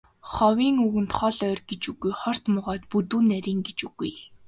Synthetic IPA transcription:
χɔwiːŋɵɣɘ̆nt̪χɔɮœːrɡet͡ɕuɣujχɔr̥t̪mʊʁɔːt̪̚put̪uːnːæɾʲiːŋɡet͡ɕuɣṵj

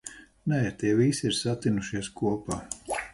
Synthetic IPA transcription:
nɛiɾt̪iɛvisʲiɾsat̪ːinuʃiɛskuɔpaː

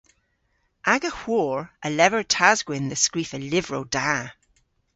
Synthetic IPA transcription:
ʔaɡəhwɔːɹʔəlɛvəɹtʰazɡwɪnðəskɹifəlɪvɹowd̥a

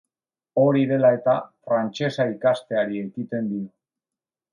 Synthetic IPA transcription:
o̞ɾiðe̞lae̞t̪afɾant͡ʃe̞saikast̪e̞aɾie̞kit̪e̞nd̪io

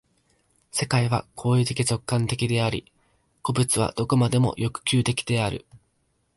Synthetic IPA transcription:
se̞kaiβ̞a̰kʰo̞ːit̪e̞kʲit͡ɕo̞kːãnt̪e̞kʲid̪e̞aɾʲḭ | ko̞bɯ̟t͡sɨβa̰d̪̥o̞ko̞mad̪e̞mo̞̰jʔo̞kɯ̟̥kʲɨːt̪e̞kʲi̥d̪e̞aɾɯ̟̰

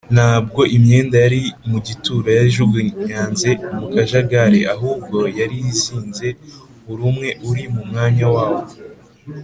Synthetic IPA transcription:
naːb̚ɡo̞ʔimɲe̞ːndajaɾimuɟituːɾajaʒuɡuɲaːnze̞mukaʒaɡaɾeʔaɦuːb̚ɡo̞jaɾijisiːnze̞ | uɾumŋe̞ʔuɾimumŋaːɲawaːwo̞

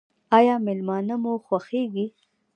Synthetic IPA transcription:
ɑjɑmɪlmɑnamuxwaxeɡi

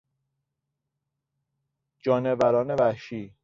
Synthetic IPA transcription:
d͡ʒɒːnevæɾɒːnevæhʃiː

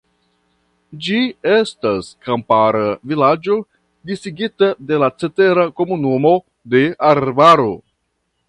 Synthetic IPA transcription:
d͡ʒie̞staskampaɾavilad͡ʒo̞ | disiɡitade̞lat͡se̞te̞ɾako̞munumo̞ | de̞aɾbaɾo̞

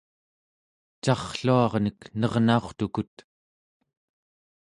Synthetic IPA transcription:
t͡ʃɑχɬuɑʁnəknʌʁnaoχt̪ukut̪

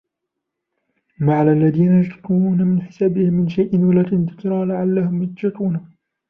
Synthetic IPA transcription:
maʕllːaðiːnajad͡ʒt̪ˤːuuːnamɪnħɪ̥saːbɪhɪmːɪnʃajʔɪnwalaːt̪ɪnd̪ɪk̪ɾˤɑːlaʕalːahʊmjat̪d͡ʒɑt̪ˤuːna

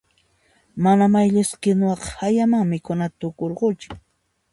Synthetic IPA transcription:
manamajʎɪskɪnʊɑqhajamaŋmɪkʊnat̪ʊkoɾɢʊt͡ʃʊ̥

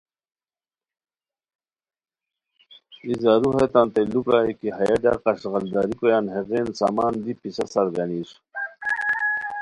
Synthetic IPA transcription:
izaɾuɦet̪ant̪elukaːikiɦajaɖa̰qɑʂɣɐld̪aɾikojaːnɦeɣeːnsa̰ːmaːnd̪ipisɐsɐɾɡɐniːsu̥

